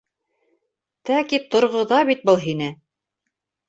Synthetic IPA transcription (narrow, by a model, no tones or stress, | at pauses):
t̪ækit̪ŏɾʁɤ̆ðɑβit̪̚bɤlˠɦinɘ